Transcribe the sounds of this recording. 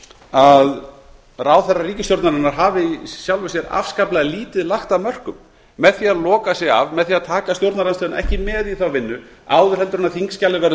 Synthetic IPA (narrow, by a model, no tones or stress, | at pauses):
að | ɾaːwθɛrːariːcɪst̪jowɾt̪naɾɪnːaɾ̥ɦaːvɪsjawlvɪsjɛɾa̰fskaplaɣliːt̪ɪðlaxt̪aðmœr̥kʏmː | ɛðθiːaðlɔːkasjɛɣa̰vmɛðθiːaðt̪ʰaːkast̪jowɾt̪naɾanst̪ɛːʏnʔɛ̰hcɪmɛðiθawvɪnːʏa̰ːwðʏɾ̥hɛlt̪ɾnaθiŋscalɪvɛɾ